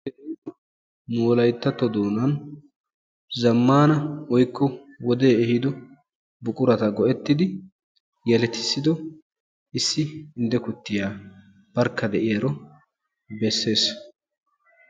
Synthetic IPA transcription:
de | moːlɐjt̪ːɐt̪ːɔd̪oːnɐn | zɐmːaːnɐwɔjkːɔ | wɔd̪e̞ːɛhɪd̪ɔ | bʊkʼʊɾɐt̪ɐɡɔʔɛt̪ːɪd̪ɪ | jɛlɛt̪ɪ̥sːɪd̪ɔ | ʔɪsːɪɪnd̪ɛkʊt̪ːɪjaː | b̥ɐɾkːɐd̪ɛʔɪjɐɾɔ | bɛsːe̞ːs

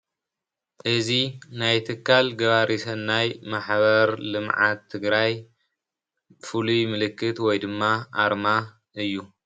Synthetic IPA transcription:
ʔɨzinajt̪ʰɨkːalɡɐβaɾʔisɐnːajmaħβɐɾlɨmʕa̰t̪ʰːɨɡɾaj | fɨlujmɨlɨkːɨt̪wɔjd̪ɨmːaʔaɾma | ʔɨjːu

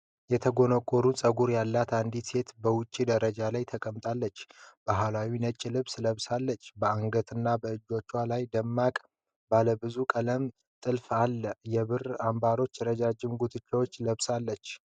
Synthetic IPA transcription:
jɛt̪ʰəɡo̞nəkʼoɾunsʼəɡuɾjalːat̪and̪ise̞t̪bəwʊt͡ʃʼːid̪əɾəd͡ʒalajt̪ʰəkʼəmt̪ʼalːət͡ʃːb̥aɦalawinət͡ʃʼːilɨβsləβsalːət͡ʃːbəaŋɡət̪ʰɨnːabəɨd͡ʒːo̞t͡ʃːwalajd̪əmːakʼ | baləbɨzukʼələm | t̪ʼɨlfalːəjɛβɨrambaɾo̞t͡ʃːɾəd͡ʒad͡ʒɪmɡut̪ʰɨt͡ʃːɛwot͡ʃːləβsalːət͡ʃː

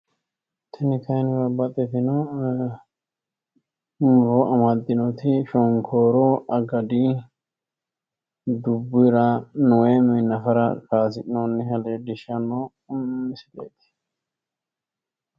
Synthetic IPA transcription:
t̪ʰɛnɪkɐjnbɐbːɐt̪ʼɛfɪnɔ | mʊɾoʔɐmad̪ːɪnɔt̪ɪʃɔŋkʰoːɾɔʔɐɡɐd̪i | d̪ʊbːʊɾɐnʊwemɪnːɐfɐɾɐkaːsɪnɔnːɪɦɐleːd̪ɪʃɐnːɔ | mɪsɪd̪ḛːt̪ɪ̥

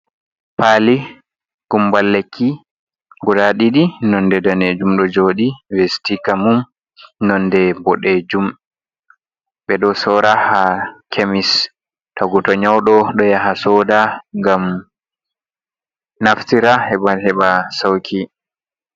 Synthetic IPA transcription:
pali | ɡ̥umbalːekʰːi | ɡudaɗiɗinɔndɛdaned͡ʒumɗɔd͡ʒoːɗivestikamum | nɔndɛbɔɗed͡ʒum | ɓɛɗɔsɔːɾahakʰemis | taɡutɔɲawɗɔɗɔjaɦasɔːdaŋɡam | naftiɾahɛɓahɛɓasawkʰi

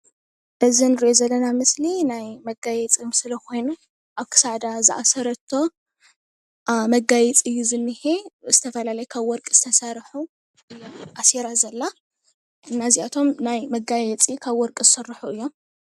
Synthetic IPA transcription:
ʔɨzinɨɾiʔozɐlːɐnamɨslinajmɐɡajɛt͡sʼimɨsɨlɐkʰo̞jnu | ʔaβkʰɨ̥saʕd̪azɨʔa̰sɐɾɐt̪ʰːo̞ | mɐɡajɛt͡sʼɨjːuzɨnːɨhez̥ɨt̪ʰɐfɐlalɐjɛkʰaβwɔɾkʼz̥ɨt̪ʰɐsɐɾħu | ɨʔaseɾazɐlːa | ɨnːaziat̪ʰo̞mnajmɐɡajɛt͡sʼikʰaβwɔɾkʼzɨsɨrːɨħuɨjːo̞m

